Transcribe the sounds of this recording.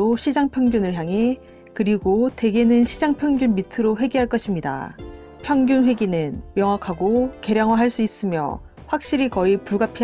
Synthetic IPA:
oɕʰid͡ʑaŋpʰjʌŋɡjunɯɭçjaŋɦe̞ | kɯɾiɡote̞ɡe̞nɯnɕʰid͡ʑaŋpʰjʌŋɡjunmitʰɯɾoɸwe̞ɡiɦaɭk͈ʌɕʰimɲida̰ | pʰjʌŋɡjunɸwe̞ɡinɯnmjʌŋwakʰaɡoke̞ɾjʌŋwaɦaɭs͈uis͈ɯmjʌ̰ | ɸwak̚ɕ͈iɾikʌipuɭɡapʰi

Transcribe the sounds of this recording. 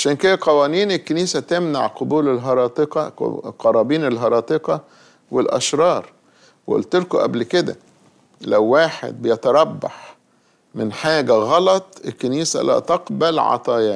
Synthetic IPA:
ʕaʃæːnked̪æqɑwæːniːnelkːeniːsæt̪emna̰ʕqobuːlelɦɑɾˤɑːt̪eqɑ̰qɑɾˤɑːbiːnelɦɑɾˤɑːt̪ˤeqɑ | welʔɑ̰ʃɾˤɑːɾˤ | wʔo̰lt̪elkoʔæ̰blked̪æ̰ | læwːaːħḛd̪̚bejæt̪ɑɾˤɑbːɑ̰ħ | mɪnħaːɡæɣɑlɑt̪ˤelkːeniːsæ̰læ̰ːt̪ɑqbælʕɑ̰t̪ˤɑːjæːn

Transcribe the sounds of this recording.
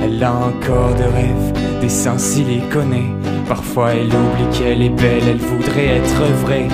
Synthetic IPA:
ɛlaɑ̃kʰɔʁd̪əʁɛv | d̪esɛ̃silekɔnɛ | paʁfwaɛlublikʲʰɛlebɛlɛlvud̪ʁɛɛt̪χəvʁɛ

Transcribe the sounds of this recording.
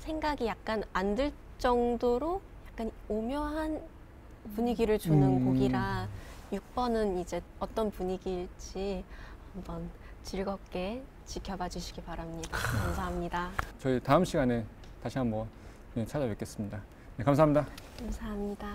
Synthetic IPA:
sʰe̞ŋɡaɡijak̚k͈anandɯɭ | t͡ɕ͈ʌŋdoɾojak̚k͈anomjʌɦan | puɲiɡiɾɯɭd͡ʑonɯnkoɡiɾajuk̚p͈ʌnɯnid͡ʑe̞ʌt͈ʌnpuɲiɡiɭt͡ɕ͈ihambʌnt͡ɕiɭɡʌk͈e̞ | t͡ɕikʰjʌbad͡ʑiɕʰi̥ɡipaɾamɲidakamsʰaɦamɲidat͡ɕʌitaɯmɕʰiɡane | taɕʰiɦambʌn | kɯɲʌt͡ɕʰad͡ʑawek͈es͈ɯmɲida | nekamsʰamɲidakamsʰaɦamɲida

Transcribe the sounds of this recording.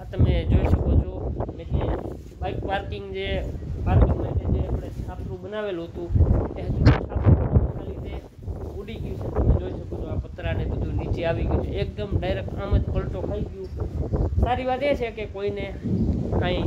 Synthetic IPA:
t̪əmẽd͡ʒoiʃəkot͡ʃʰomene | baɪkpaɾkɪŋɡd͡ʒepaɾkɪŋɡmət̪ed͡ʒepɽesapʰɾũɓənaʋelɦət̪ũt̪ẽsusʰapʰũkənnalit̪e | uɽiɡjũt͡ʃʰet̪əmed͡ʒoiʃəkot͡ʃʰoapət̪ɾanebəd̪ʱunit͡ʃeaʋiɡjt͡ʃʰeek̚d̪əmɖaɪɾek̚ʈaməd͡ʒpəlʈokʰaiɡjũ | saɾiʋat̪et͡ʃʰekekoine | ãĩ

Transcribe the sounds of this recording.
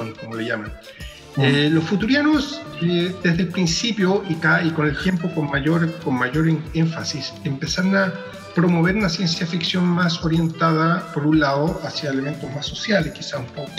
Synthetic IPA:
onkomoleʝaman | elo̞sfut̪uɾjanosed̪e̞zðelpɾinsipjoʔikaiko̞ne̞lt̪je̞mpokonmaʝoɾkonmaʝo̞ɾeɱfasisempe̞saɾna | pɾo̞mo̞β̞e̞ɾunasje̞nsjafiksjo̞nmasoɾje̞nt̪aðapo̞ɾunlaðoʔasjaele̞me̞nt̪ozmasːo̞sjaleskisasumpoko

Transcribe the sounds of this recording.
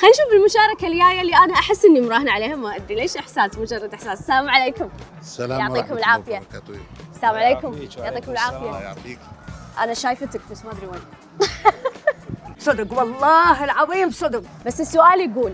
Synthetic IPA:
xanːʃuːfɪlmʊʃaːɾˤɑkaljaːjaliʔanaʔaħɪsːʔɪnːimʊɾˤɑːhnaʕaleːhamaʔad̪ɾileːʃʔɪħsaːsmʊd͡ʒɑrˤːɑd̪ʔɪħsaːssaːmʕaleːkʊm | jʊʕt̪ˤiːkʊmɪlʕaːfɪja | salaːmʕaleːkʊmjoʕt̪ˤiːkʊmɪlʕaːfɪja | ʔa̰naʃaːjfat̪ak̚basmaːd̪ɾiwana | sˤɑd̪ʊɡwɑlˤːɑːɦɪlʕɑðiːmbsˤʊd̪ʊqbasːɪsːʊʔaːljɡuːl

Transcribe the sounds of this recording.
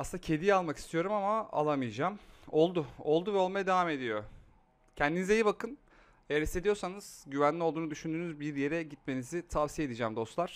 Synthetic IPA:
asɯnd̪acʰe̞d̪ijalˠmaki̥st̪ʰijo̞ɾumamaa̰lˠamɯjd͡ʒaːmo̞lˠd̪ʊolˠd̪uvɛolˠmajad̪evaːme̞d̪ijo̞ | cʰɛnd̪inizejibakɯn | ejæɾist̪ed̪ijo̞ɾsanɯz̥ɟyvænlʲio̞lˠd̪uːnud̪yʃynd̪yːnyzbiɾje̞ɾɛɟit̪̚me̞nizit̪ʰavsijed̪id͡ʒæːmd̪o̞st̪lˠaɾ̥

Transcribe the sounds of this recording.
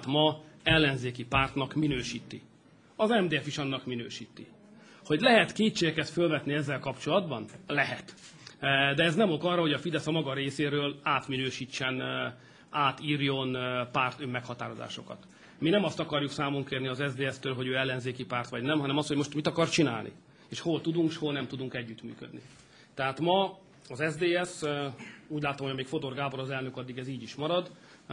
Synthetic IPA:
t̪mɒɛlːɛnzeːkipaːrt̪nɒkminøːʃiːt̪ḭ | ɒzɛmd̪eːɛfiʃɒnːɒkminø̰ːʃiːt̪ːḭ | ho̞ɟlɛɦɛt̪keːtʃeːɡɛkɛt̪følvɛt̪niɛzːɛlkɒpt͡ʃo̞lɒd̪bɒnlɛɦɛt̪ | d̪ɛɛznɛmo̞kɒrːɒɦo̞ɟɒfid̪ɛsɒmɒɡɒɾeːseːɾøːlaːt̪minøːʃiːt͡ʃːɛn | aːt̪iːrjo̞npaːrt̪ømːɛkhɒt̪aːɾo̞za̰ːʃo̞̰kɒ̰t̪ | minɛmɒst̪ɒkɒrjuksaːmoŋkeːrniɒzɛzd̪eːɛst̪øːlɦo̞ɟøːɛlːɛnzeːkipaːrt̪ʋɒɟnɛmɦɒnɛmɒst̪homo̞ʃt̪mit̪ɒkɒrt͡ʃinaːlnḭ | eːʃho̞lt̪ud̪uŋkʃho̞lnɛmt̪ud̪uŋkɛɟːyt̪my̰ːkød̪ni | t̪ɛɦaːt̪mɒ | ɒzɛzd̪eːɛs | uːɟlaːt̪omoɟɒmeːkfo̞t̪o̞rɡaːboɾɒzɛlnø̞kɒd̪ːiɡɛziːɟiʃmɒɾɒd̪

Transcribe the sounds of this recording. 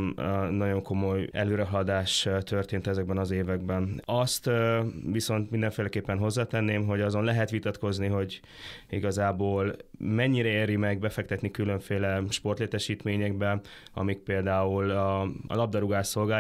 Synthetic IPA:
nɒɟo̞ŋko̞mo̞jɛ̰løːɾɛɦɒd̪aːʃt̪ørt̪eːnt̪ɛzɛɡ̚bɛnɒzeːvɛɡ̚bɛnɒst̪ʋiso̞nt̪mind̪ɛɱfeːlɛkeːpːɛnɦo̞zːaːt̪ɛnːeːmɦo̞ɟɒzo̞nlɛɦɛt̪ʋit̪ɒt̪ko̞zniɦo̞ɟ | iɡɒzaːboːlmɛɲːiɾɛeːɾimɛɡ̚bɛfɛk̚t̪ɛt̪nikylø̞ɱfeːlɛʃpo̞rt̪leːt̪ɛʃiːt̪meːɲɛɡ̚bɛ | ɒ̰mik̚peːld̪aːulɒ̰lɒb̚d̪ɒɾuɡaːʃːo̞lɡaː

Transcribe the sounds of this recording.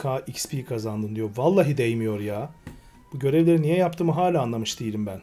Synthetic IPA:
kʰaːʔicspʰiːkʰazand̪ɯnd̪ijo̞valˠːaːɦid̪ejmijo̞ɾjaː | b̥uɟø̞ɾevlʲe̞ɾinijɛjapt̪ʰɯːmɯɦaːlʲæanlˠamɯʃd̪ijilʲimbæn

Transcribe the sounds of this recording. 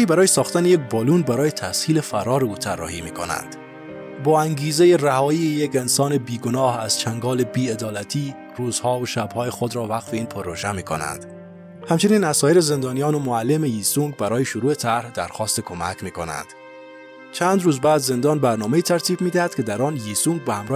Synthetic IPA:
iːbæɾɒːjesɒːxt̪ænejek̚bɒːlunbæɾɒːjet̪ʰæshiːlefæɾɒːɾeuːt̪ʰærːɒ̰ːhḭmḭːkʰo̰næ̰nd̪̥ | bɒːæŋɡiːzejeræhɒːiːejekensɒːnebiːɡonɒːhæz̥t͡ʃʰæŋɡɒːlebiːed̪ɒːlæt̪ʰiː | ruːzhɒːoʃæbhɒːjexod̪ɾɒːvæqfeiːnpʰoɾoʒæmiːkʰo̰næ̰nd̪ | hæmt͡ʃʰeniːnæzsɒːjeɾeze̞nd̪ɒːnijɒːnomoælːemejiːsuŋɡbæɾɒːjeʃoɾuːet̪ʰæɾhd̪æɾxɒːst̪ekʰomæ̰kmiːkʰo̰næ̰nd̪̥ | t͡ʃʰænd̪ɾuːzbæːd̪ze̞nd̪ɒːnbæɾnɒːmeiːt̪ʰæɾt̪ʰiːb̚miːd̪æhæd̪̥kʰʲed̪æɾɒːnjisuŋɡ̚behæmɾɒː

